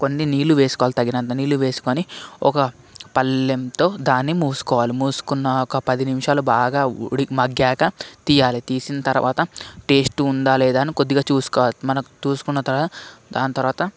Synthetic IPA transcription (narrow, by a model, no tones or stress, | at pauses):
ko̞nːiniːluʋeːsu̥kɔːalit̪ɐɡinɐnt̪ɐniːluʋe̞ːsu̥koniɔ̰kɐ | pɐlːemt̪o̞ːd̪aːnːimuːsu̥kɔːʋaːlimuːsu̥kunːɐɔkɐpɐd̪inimʂaːlubaːɡaːɽimɐɡjaːkɐt̪ijaːlit̪iːsinɐt̪ɐɾʋʔa̰ːt̪ɐʈeːsʈund̪aːlɛːd̪aːnikod̪ːiɡaːt͡ʃuːsu̥kɔːʋaːlmɐnɐkt͡ʃuːsu̥kunːɐt̪ɐɾaːd̪aːnt̪ɐɾʋaːt̪ɐ